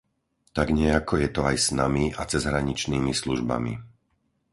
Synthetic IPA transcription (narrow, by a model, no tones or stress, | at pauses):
t̪aɡɲɪɛakɔjɛt̪ɔajsnamiat͡sɛzɦɾaɲit͡ʃniːmisluʒba̰mḭ